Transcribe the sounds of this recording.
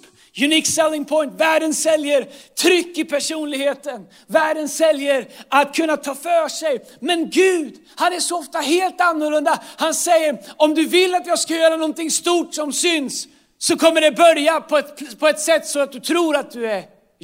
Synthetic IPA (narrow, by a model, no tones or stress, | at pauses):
jʉniːksɛlːɪŋpʰɔjnt̪væːɖənsɛljəɾt̪ʰɾʏkːɪpʰæʂuːnlɪɡheːt̪ən | væːɖənsɛljəɾat̪kʰɵnːat̪ʰɑːfœːʂɛj | mɛnɡʉ̟ːd̪ | hanæʂɔɔft̪aɦeːlt̪anːʊɭɵnd̪ahansɛjːəɾɔmd̪ɵvɪlːat̪jɑːɡskajœːɾanɔnt̪ɪŋst̪uːʈsɔmsʏnsː | ɔkʰɔmːəɖɛbœɾjapʰɔɛpʰɔɛt̪sɛt̪ːsɔat̪̚d̪ɵt̪ʰɾuːɾat̪̚d̪ɵæɾ